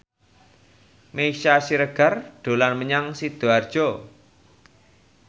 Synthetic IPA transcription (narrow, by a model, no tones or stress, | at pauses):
meʃasiɾəɡ̥a̤rɖ̥o̤lanməɲaŋsid̪̥o̤ard̥ʒ̥o